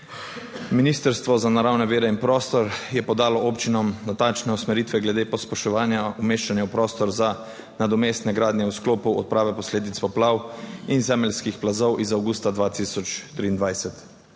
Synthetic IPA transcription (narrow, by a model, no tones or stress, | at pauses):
miniːst̪əɾst̪ʋɔzanaɾawnɛʋeːɾɛinpɾɔːst̪ɔɾjɛpɔd̪aːlɔʔoːpt͡ʃinɔmnat̪ant͡ʃnɛusmɛɾiːt̪ʋɛɡlɛd̪eːpɔspɛʃt̪ɔʋaːnjaumeːʃanjɛwpɾɔːst̪ɔɾza | nad̪ɔmeːst̪nɛɡɾaːd̪nʲjɛuskloːpuɔ̰t̪̚pɾaːʋɛpɔsleːd̪it̪spɔplawinzɛmɛlskixplazɔwʔizawɡuːst̪ad̪ʋaːt̪isɔt͡ʃt̪ɾiːnd̪ʋajsɛt̪